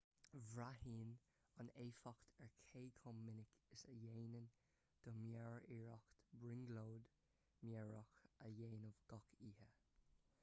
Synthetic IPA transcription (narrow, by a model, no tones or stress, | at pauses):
vɹaɦiːn | aneːfɔkt̪ʰɛɹkʰeːkʰɔmːɪnɪkɪsəjeːnən | d̪̥ɔmjɛɹiɹɔkt̪bɹɪŋɡloːd̪ | mjɛɹɔxəjeːnɔvɡɔkʰiːhə